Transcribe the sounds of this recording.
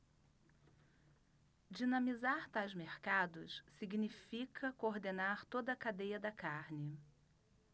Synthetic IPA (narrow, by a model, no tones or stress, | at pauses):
d͡ʒinɐ̃mizaɾt̪ajzmeɾkad̪ʊssiɡnifikʰɐkoɾd̪enaɾt̪od̪ɐːkad̪ejɐd̪ɐkaɾnɪ